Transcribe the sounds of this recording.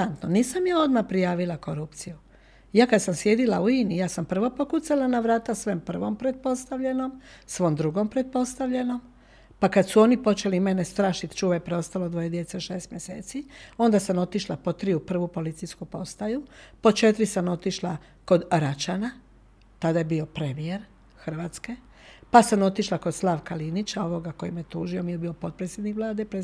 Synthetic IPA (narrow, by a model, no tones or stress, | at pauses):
ant̪noniːsamjao̞d̪mapɾijaːʋilako̞ɾupt̪siju | jaːkad̪samsje̞d̪ilauinijaːsampr̩ʋo̞pokut̪salanaʋɾaːt̪asʋe̞mpr̩ʋo̞mpɾet̪̚po̞st̪aʋʎe̞no̞msʋo̞md̪ɾuɡo̞mpɾet̪̚po̞st̪aʋʎe̞no̞m | pakad̪suo̞nipo̞t͡ʃe̞lime̞nest̪ɾaːʃit̪t͡ʃuːʋapɾeo̞st̪alo̞d̪ʋo̞je̞d̪je̞t̪seʃeːst̪mje̞sḛːt̪sio̞nd̪asamo̞t̪iʃlapo̞t̪ɾiupr̩ʋupo̞lit̪sijskupo̞st̪ajupot͡ʃe̞t̪ɾisamo̞t̪iʃla | ko̞d̪ɾat͡ʃana | t̪ad̪ajebio̞pɾemieɾ | xr̩ʋaːt̪ske̞ | pasamo̞t̪iʃlako̞d̪slˠaːʋkalinit͡ʃao̞ʋo̞ɡako̞jimjet̪uːʒio̞mijebio̞po̞t̪̚pɾet̪sʲje̞d̪nikʋlˠaːd̪epɾe